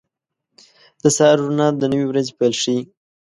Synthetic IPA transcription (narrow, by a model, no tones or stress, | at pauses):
d̪̥əsɑɾuɾnɑd̪ənəwiwɾazepajlʂi